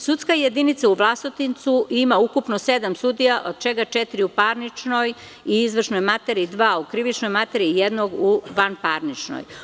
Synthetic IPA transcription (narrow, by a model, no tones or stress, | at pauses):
sut̪skajed̪init̪sauʋlˠast̪ot̪int̪suʔimaukupnosed̪amsud̪ijaʔod̪̥̚t͡ʃeɡat͡ʃet̪iɾiupaɾnit͡ʃno̞j | iizʋr̩ʃno̞jmat̪eɾid̪ʋaːukɾiʋit͡ʃno̞jmat̪eɾijed̪noɡuʋanpaɾnit͡ʃno̰j